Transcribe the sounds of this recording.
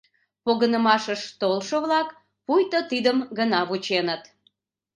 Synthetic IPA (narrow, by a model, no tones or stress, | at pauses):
poɣənəmɑʃəʃt̪olʃəβlɑk | pujt̪ot̪id̪əmɡənɑβut͡ɕenət̪